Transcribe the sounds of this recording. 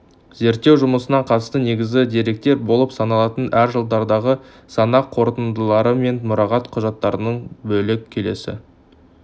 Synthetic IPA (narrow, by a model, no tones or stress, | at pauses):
ze̞ɾt̪ːe̞wʒʊməsənɑɴqʰɑt̪əst̪əne̞ɡʲɪzɡʲɪd̪e̞ɾe̞k̚t̪e̞ɾbo̞lˠəpsɑnɑlˠɑt̪ənæɾʒəlˠd̪ɑɾd̪ɑʁə | sɑnɑqʰo̞ɾt̪ənd̪əlˠɑɾəme̞nmʊɾɑʁɑt̪qʰʊʒɑt̪ːɑɾənəɴbɵlɪkkʲʰe̞le̞̰sɪ̰